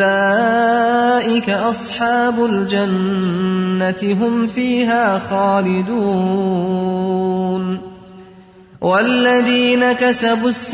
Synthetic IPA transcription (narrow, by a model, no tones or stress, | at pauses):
a | ʔɪkaʔɑsˤħɑːbʊld͡ʒanː | at̪ɪɦʊmfiːɦaːxaːlɪd̪uː | n | walːaðiːnakasabʊsː